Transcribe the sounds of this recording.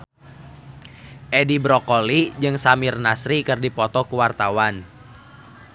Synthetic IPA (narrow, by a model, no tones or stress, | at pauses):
ʔɛdibɾɔkɔlid͡ʒɨŋsamirnasɾikɨrdipɔt̪ɔkuwart̪awan